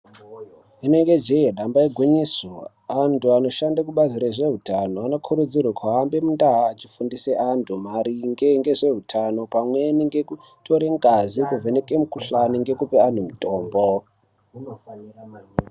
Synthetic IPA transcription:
ineŋɡed͡ʒejeɗambaiɡʱwiɲiso | antʰuano̞ʃandak̬uɓaziɾaʐe̞ɦutano̞ano̞kʰuɾud͡zirwakʰwaːmbe̞mundaɦaːt͡ʃifundiseʔantʰumaɾiŋɡe̞ŋɡe̞ʐe̞ɦutʰano̞pamwe̞niŋɡe̞ku | tʰoɾeŋɡazikuvenekemukuɬaniŋɡe̞kupean̤umitoːmbo

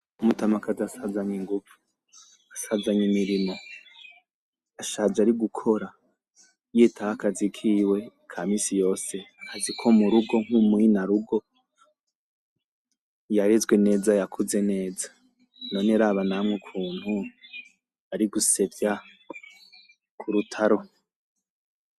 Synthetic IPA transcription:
umutamakʰazasazaɲiŋɡuvu̥ | asazaɲimiɾimo̞ | aʃaːzaɾiɡukʰo̞ɾa | jetʰahakazikʰiwe̞ | kʰamiːsijo̞ːse̞akazikʰomuɾuɡo̞ŋ̥umwinaɾuɡo̞ | jaɾezɡwe̞ne̞ːzajakʰuze̞ne̞ːza | no̞ːneɾaːβanamŋukʰuːn̥hu | aɾiɡuse̞vja | kʰuɾutʰaɾo

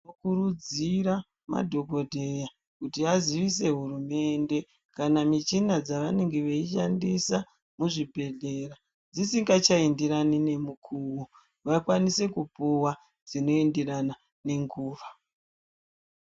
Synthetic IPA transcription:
mokuɾud͡ziɾa | ma̰dʱo̞ɡo̞dʱe̞ja | kutiaziʋis̬e̞ɦurume̞nde̞ | kanamit͡ʃinad͡zaʋane̞ŋɡe̞ʋeiʃandisa | muʐibʱe̞ɮe̞ra | d͡zisiŋɡat͡ʃaindiɾanine̞mukʰuwu | ʋakwanise̞kupuwa | d͡zino̞endirana | ne̞ŋɡuːʋa

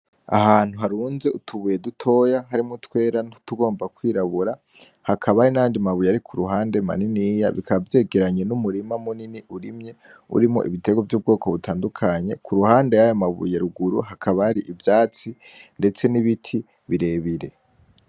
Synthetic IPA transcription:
a̰haːn̥huɦaɾuːnze̞ʔutʰuβuje̞dutʰo̞jaɦaɾimutwe̞ːɾanu̥tuɡo̞ːmbakwiːɾaβuɾa | hakʰaβaɾinaandimaβujaɾikʰuɾuɦaːnde̞ma̰niniːjaβḭkʰaβavje̞ːɡe̞ɾaɲe̞numuɾimamuniniʔuɾimɲe̞ | ṵɾimo̰ʔḭβite̞ɡovjuːb̚ɡo̞ːkʰo̞βutʰaːndukʰaɲe̞kʰuɾuhaːnde̞jajomaβṵjeɾuɡuɾṵhakʰaβaaɾiʔivjaːt͡si | nde̞t͡se̞niβitʰi | βiɾe̞βiɾe̞̰

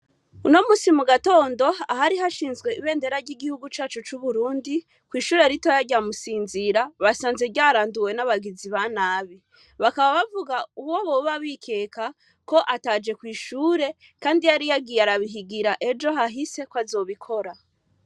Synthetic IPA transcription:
uno̞musimuɡato̞ːndo̞aɦaɾiɦaʃiːnzɡwe̞iβe̞ːnde̞ɾaɾɟiɡihuɡut͡ʃaːt͡ʃut͡ʃuβuɾuːndi | kwiːʃuːɾe̞ɾitojaɟamusiːnziɾaβasaːnze̞ɟaːɾaːnduwe̞naβaɡiziβanaːβi | βakaβaβavuɡauwoβo̞βaβikʰe̞ːkʰa | ko̞ʔataːd͡ʒe̞kwiːʃuːɾe̞ | kaːndijaɾijaɡijaɾaβiɦiɡiɾaʔe̞d͡ʒo̞ɦaɦise̞kwazo̞ːβikʰo̞ɾa

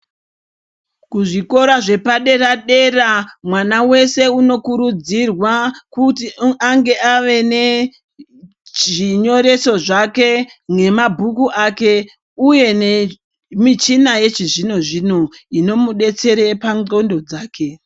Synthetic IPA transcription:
kuʐiko̞ɾaʐe̞paɗe̞ɾaɗe̞ramwanawe̞se̞uno̞kuɾud͡zirwakutiaŋɡe̞ʔaʋe̞ne | ʐiɲo̞ɾe̞so̞ʐakeŋe̞mabʱukuʔake̞ | uje̞ne | mit͡ʃinaje̞t͡ʃiʐino̞ʐino̞ino̞muɗe̞t͡se̞ɾe̞paŋo̞ndo̞d͡zaːke̞

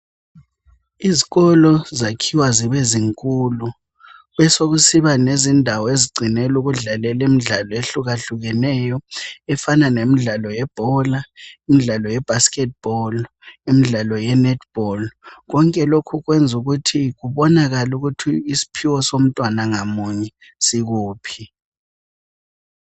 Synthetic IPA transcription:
iziɣɔlɔzakʰiwaziɓeziŋkʼulu | βɛsoɣusiβanezindʱawɔeziɡ͡ǀʱinɛluɣuɮalɛlimiɮalɔeɬuɣaɬuɣɛnɛjɔɛfananemiɮalɔjɛb̥ʱɔlaimiɮalɔjɛb̥ʱaskʼɛt̚b̥ɔl | imiɮalɔjɛnɛtʰb̥ʱɔlɣɔŋkʼɛlokʰuɣwend͡zʱuɣutʰiɣuβɔnaɣaluɣutʰiisi̥pʰiwɔsom̩tʼwanaŋamuɲɛ | siɣuːpʰi

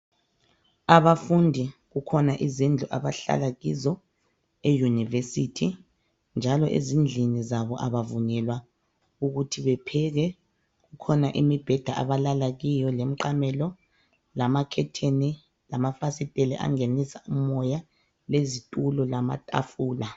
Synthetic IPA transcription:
aβafundʱiɣukʰɔnaʔizind͡ɮʱuʔa̰βaɬa̰laɣizɔ | ejunivesitʰi | nd͡ʒʱalɔʔḛzind͡ɮʱinizaβɔʔaβavunɛlwa | uɣutʰiβɛpʰɛɣɛ | ɣukʰɔnaʔimib̥ʱɛd̥ʱaʔaβalalaɣijɔlem̩ǃamɛlɔ | lamakʰɛtʰeni | lamafasitʼɛlɛʔa̰ŋenisaumɔja | lezitʼulɔlama̰tʼa̰fuːla

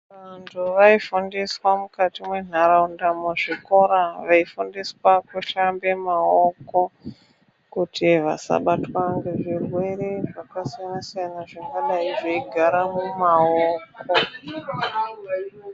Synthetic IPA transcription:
ʋantʰuʋaifundiswamukatimwe̞n̤aɾaundamuʐiko̞ɾaʋaifundiswakuʃambe̞maoko̞ | kutiʋa̰sa̰ɓatwaŋɡe̞ʐirwe̞ɾe̞ʐakasijanasajanaʐakɡaɗaiʐeiɡʱaɾamumaoːko

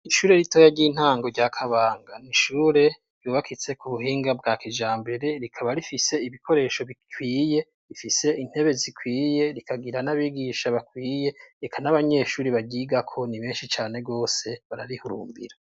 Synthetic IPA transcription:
iʃuːɾe̞ɾitojaɟiːn̥haːŋɡo̞ɾɟakʰaβaːŋɡaniʃuːɾe̞ | ɾ̥juβakʰit͡se̞kuβuhiːŋɡab̚ɡaːkid͡ʒaːmbe̞ɾe̞ɾikʰaβaɾifise̞iβikʰo̞ɾe̞ʃo̞βikʰwiːje̞ | ɾifise̞in̥he̞βe̞zikʰwiːjeɾikʰaɡiɾanaβiɡiʃaβakwiːje̞ekʰanaβaɲe̞ʃuːɾiβaɟiːɡakʰo̞niβe̞ːnʃit͡ʃaːne̞bɡo̞ːse̞βaɾaɾihuɾṵːmbḭɾa

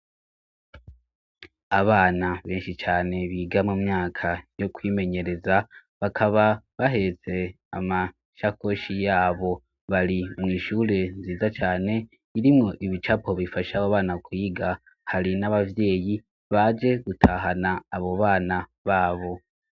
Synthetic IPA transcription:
aβaːnaβeːnʃit͡ʃaːne̞βiːɡamumɲaːkʰajo̞kwiːme̞ɲe̞ɾe̞za | βakʰaβaβaɦe̞t͡se̞ | a̰ma | ʃako̞ʃijaːβo̞ | βaɾimŋiːʃuːɾe̞nziːzat͡ʃaːne̞ | iɾimŋo̞ʔiβit͡ʃapo̞βifaʃaoβaːnakʰwiːɡa | haɾinaβavje̞ːji | βad͡ʒe̞ɡutʰaːɦanaːβo̞βaːnaβaːβo̞

